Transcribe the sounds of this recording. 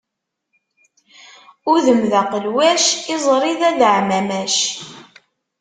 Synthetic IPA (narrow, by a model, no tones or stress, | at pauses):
ʊɾðəmðaqəlwæʃɪzˤɾˤiðæðəʕmæmæʃ